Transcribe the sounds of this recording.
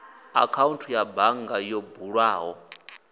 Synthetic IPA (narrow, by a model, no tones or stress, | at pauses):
a̰kʰauntʰujabaŋɡajɔbuɺwaːɦɔ